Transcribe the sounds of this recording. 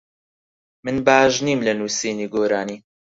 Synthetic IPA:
mɨnbaːʒniːmlɐnuːsiːniːɡoːɾaːniː

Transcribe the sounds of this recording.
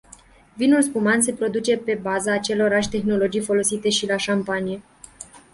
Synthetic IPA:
vinulspumans̬e̞pɾo̞d̪ut͡ʃe̞pe̞bazaːt͡ʃe̞lo̞ɾaʃt̪e̞xno̞lo̞d͡ʒijfo̞lo̞sit̪e̞ʃilaʃampanije̞

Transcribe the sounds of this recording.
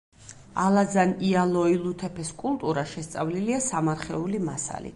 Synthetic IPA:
alˠazanialˠɔilˠut̪ʰɛpʰɛskʼulˠt̪ʼuɾaʃɛst̪sʼavliliasamaɾχɛulimasa̰lḭ

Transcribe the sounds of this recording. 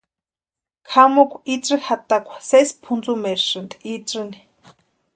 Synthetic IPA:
kʰamokʷiʈ͡ʂʼɨhat̪akʷʰḁsespʰunt͡sumɛɾʂɨnd̪ʔiʈ͡ʂɨni̥

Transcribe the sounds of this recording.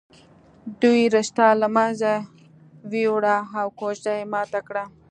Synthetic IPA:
d̪ujɾɪʃt̪ɑlamaza | wiwɽaawkot͡ʃd̪ajemɑt̪akɽa

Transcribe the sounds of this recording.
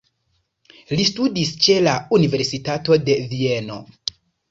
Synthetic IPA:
listudist͡ʃe̞launive̞ɾsitato̞de̞vie̞no̞̰

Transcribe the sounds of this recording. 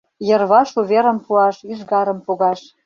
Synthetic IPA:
jə̆rβɑʃuβʲeɾə̆mpuɑʃyʒɣɑɾə̆mpoɣɑʃ

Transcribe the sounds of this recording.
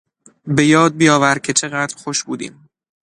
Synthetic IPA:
be̞jɒːd̪̚bijɒːvæɾcʰe̞t͡ʃʰe̞ɣæd̪ɾxoʃbuːd̪ḭːm

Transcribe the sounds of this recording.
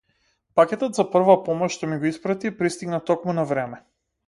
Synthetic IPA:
pakʲɛt̪ɔt̪zapr̩vapɔmɔʃʃt̪ɔmiɡɔispɾat̪ipɾist̪iɡnat̪ɔkmunavɾɛmɛ

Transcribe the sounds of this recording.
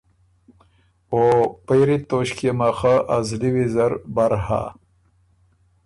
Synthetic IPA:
opajɾit̪oɕkemaxaʔazliwizaɾbaɾha̰

